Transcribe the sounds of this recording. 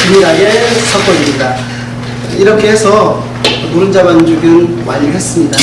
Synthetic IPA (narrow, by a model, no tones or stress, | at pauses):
miɾaɡesʰak͈ʌɲimɲida | iɾʌkʰeesʰʌ | muɾɯnd͡ʑamand͡ʑuɡjɯnwa̰ɲɯɭhe̞s͈ɯmɲida